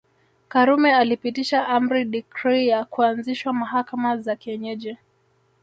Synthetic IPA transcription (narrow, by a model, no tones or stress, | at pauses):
kaɾumɛalipitiʃaʔam̩ɾiɗikɾijakuanziʃwamaɦakamazakɛɲɛʄɛ